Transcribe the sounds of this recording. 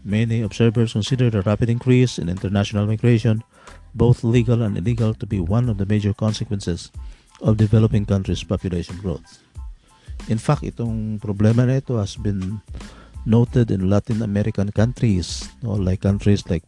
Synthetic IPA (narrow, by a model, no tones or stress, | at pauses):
mɛniɔb̥sɛɹvɛɹskɔnsid̪ɛɹd̪ɐɹapɪd̪ɪ̃ŋkɹisɪ̰̃nɪ̰̃nt̪ɛɹnaʃɔnalmajɡɹeʃɔ̃n | bowθliɡalãnd̪ɪ̰liɡalt̪ubiwãnɔvd̪əmejd͡ʒɔɹkɔ̃nsɛkwɛ̃nsɛs | ɔfd̪ɪvɛlɔpɪ̃ŋkãnt̪ɾispapjʊleʃɔ̃nɡɹo̰θ | ʔɪ̃nfak̚t̪ʔɪ̰t̪oŋpɾɔblɛmanait̪ohasbɪ̃nː | ot̪ɛd̪ɪ̰̃nlat̪ɪ̃namɛɾɪkãnkãnt̪ɾisno̰lajkːãnt̪ɾislajk̚